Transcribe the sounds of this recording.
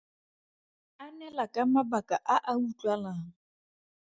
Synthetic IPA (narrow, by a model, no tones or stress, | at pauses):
anɛlakʼamabakʼaʔaʔawut͡ɬʼwalaʊ